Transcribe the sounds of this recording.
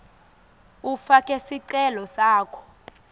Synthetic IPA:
ufakʼɛsiǀɛlɔsaːkʰɔ̥

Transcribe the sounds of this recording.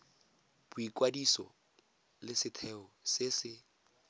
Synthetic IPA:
b̥ʊikʼwadisɔ̰ | lɪsɪtʰɛɔsɪsɪ

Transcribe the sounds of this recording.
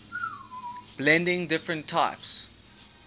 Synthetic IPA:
b̥lɛ̃ndɪ̃ŋdɪfɹə̃ntʰːaɪps

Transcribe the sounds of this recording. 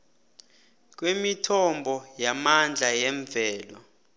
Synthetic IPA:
k̬ʼwemitʰɔmbʱɔjamand͡ɮʱajɛɱb̪vɛːlɔ

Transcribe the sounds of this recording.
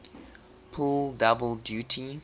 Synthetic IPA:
pʰuldʌbəlˠdjutʰi

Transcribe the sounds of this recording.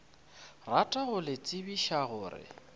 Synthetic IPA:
ratʼaɣʊlɪt͡sʼɪbiʃaɣʊːɾɪ̰

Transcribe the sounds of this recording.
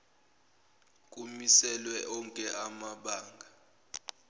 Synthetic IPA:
kʼumisɛlwɛʔɔŋkʼɛʔamaɓaːŋɡʱa

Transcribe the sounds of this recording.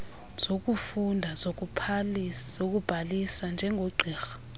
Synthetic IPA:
z̥ok̬ʼufundʱazok̬upʰzok̬ub̥ʱalisand͡ʒʱɛŋɡʱoɡ͡ǀʱiːxḁ

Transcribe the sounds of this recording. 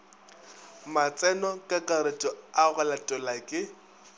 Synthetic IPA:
mat͡sʼɛnɔkʼakʼaɾetʼɔaɣɛlatʼɔlakʼɪ

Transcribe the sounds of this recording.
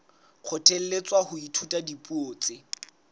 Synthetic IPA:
q͡χʰʊtʰel̩let͡sʼwahʊitʰutʼadipʼuoːt͡sɪ

